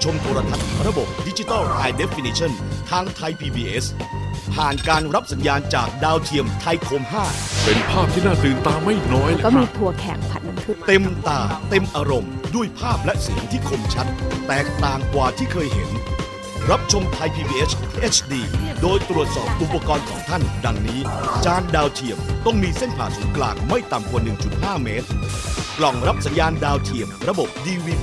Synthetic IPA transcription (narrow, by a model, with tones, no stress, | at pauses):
t͡ɕʰo˧mt̪ʰoː˧ɾa˧t̪ʰa˦˥t̪̚ɾa˧bo˨˩p̚di˦˥t͡ɕi˧t̪ɔ˥˩wʔaː˧jde˦˥fi˧niː˧t͡ɕʰɔ˥˩nt̪ʰaː˧ŋt̪ʰa˧jpʰiː˧biː˧ʔe˦˥spʰaː˨˩nkaː˧nɾa˦˥p̚sa˩˦njaː˧nt͡ɕaː˨˩k̚daː˧wt̪ʰi˧əmt̪ʰa˧jkʰoː˧mɦaː˥˩pe˧npʰaː˥˩p̚t̪ʰiː˥˩naː˥˩t̪ɯː˨nt̪aː˧mːa˥˩jnɔː˦˥jnkɔ˥˩miː˧t̪ʰu˧ɐkʰɛ̰ː˩˦ŋpʰa˨˩t̪̚na˧np̪ʰɯ˦˥t̪e˧mt̪aː˧˩t̪e˧mʔaː˧ɾo˧mdu˥˩əjpʰaː˥˩p̚lɛ˦˥ʔsi˨˩˦əŋt̪ʰiː˥˩kʰo˧mt͡ɕʰa˦˥t̪̚ːɛː˨˩k̚t̪aː˨˩ŋkwaː˨˩t̪ʰiː˥˩kʰɤː˧jɦḛ˩˦n | ɾa˦˥p̚t͡ɕʰo˧mt̪ʰa˧jpʰiː˧biː˧ʔe˦˥t͡ɕʰʔe˦˥t͡ɕʰdiː˧doː˧jt̪ɾu˨˩ət̪̚sɔː˨˩p̚ʔu˨˩pːa˧kɔː˧nkʰɔ̰ː˩˦ŋt̪ʰa˥˩nda˧ŋniː˦˥t͡ɕaː˧ndaː˧wt̪ʰi˨˩əmt̪ɔ˥˩ŋmiː˧se˥˩npʰaː˨˩suː˨˩˦klaː˨˩k̚ma˥˩jt̪a˨˩mku˨˩nɯ˨˩ŋt͡ɕu˨˩t̪̚haː˥˩meː˦˥t̪̚klɔ˨˩ŋɾa˦˥p̚sa˩˦njaː˧ndaː˧wt̪ʰi˨˩əmɾa˧bo˨˩p̚diː˧wiː˧